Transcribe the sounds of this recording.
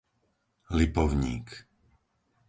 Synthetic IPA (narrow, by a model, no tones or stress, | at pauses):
lipɔʊɲḭːk